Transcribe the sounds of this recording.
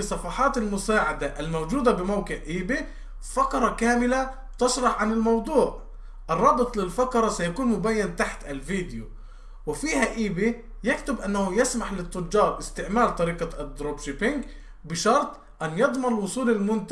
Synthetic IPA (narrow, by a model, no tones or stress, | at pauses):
ɪsˤːɑfɑħɑːt̪almʊsaːʕad̪aʔɪlmowd͡ʒuːd̪abɪmawqɪʕʔiːbi | fakɾˤɑkaːmɪla | t̪ɪʃɾˤɑħʕanɪlmɑwd̪ˤuːʕ | ʔɪrˤːɑːbɨt̪ˤlɪlfakɾˤɑsajakuːnmʊbaːjːant̪aħt̪alviːd̪ɪju | wɪfiːhaʔiːbi | jakt̪ʊbʔanːahʊjɪsmaħlɪt̪ːʊd͡ʒːɑːɾˤʔɪst̪ɪʕmaːlt̪ˤɑɾiːqad̪ɾoːbʃɪpɪŋɡ | bɪʃɑɾˤt̪ˤ | ʔanːjɑd̪ˤmɑnlwʊsˤuːlɪlmʊnt̪